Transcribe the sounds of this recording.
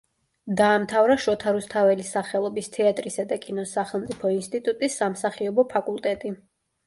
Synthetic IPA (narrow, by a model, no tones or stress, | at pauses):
d̪aːmt̪ʰavɾaʃɔt̪ʰaɾust̪ʰavɛlisaχɛlˠɔbist̪ʰɛat̪ʼɾisad̪akʼinɔsaχɛlˠmt̪sʼipʰɔinst̪ʼit̪ʼut̪ʼisːamsaχiɔbɔpʰakʼulˠt̪ʼɛt̪ʼi